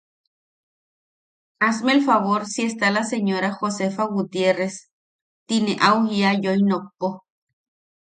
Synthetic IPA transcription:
asmelfaβoɾsiest̪alaseɲoɾaxosefaɣut̪jeres | t̪ineʔawhiajojnopo

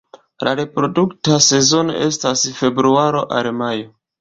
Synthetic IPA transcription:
laɾepɾo̞duktase̞zo̞no̞̰ʔe̞stasfe̞bɾuaɾo̞ʔa̰ɾmajo̞

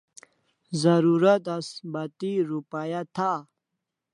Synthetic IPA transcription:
zəɾuɾət̪asbat̪iɾupajat̪ʰa

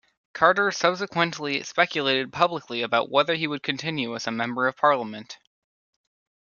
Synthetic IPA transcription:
kʰɑɹɾə˞sʌb̥s̬ɨkʰwɨ̃nʔˡlispɛkjɨleɪɾɨd̚pʰʌbləkliɨbaʊʔ̚wɛðə˞iwɨd̚kʰɨ̃ntʰɪ̃njʉəzəmɛ̃mbə˞ʌv̥pʰɑɹlˠəmɨ̃nt

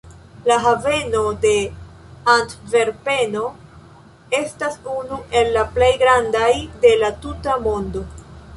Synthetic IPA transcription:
laɦave̞no̞de̞ | antve̞ɾpe̞no̞ | e̞stasunuʔe̞lːaple̞jɡɾandajde̞latutamo̞ndo̞

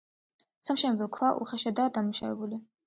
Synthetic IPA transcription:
samʃɛmɛd̪ɔkʰwaʔṵχaʃad̪aːd̪ammuʃa̰vɛ̰buli

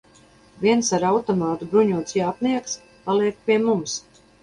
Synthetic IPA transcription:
viɛnsaɾawt̪ɔmaːt̪ubɾuɲuɔt̪sjaːp̪niɛks | palˠiɛk̚pʲiɛmums

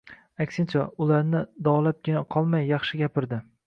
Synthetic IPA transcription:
akʲsɪnt͡ʃʰaʊlaɾnɪd̪ɒlap̚ɡʲɪnaqʰɒlˠmajːɑχʃɪɡʲapɪɾd̪ɪ

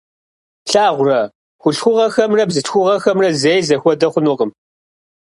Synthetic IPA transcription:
ɬaːʁʷʊrɐ | xʷʊɬxʷʊʁɐxɐmrɐbzɨtxʷʊʁɐxɐmrɐzejzɐxʷɔdɐχʷʊnʊqəm

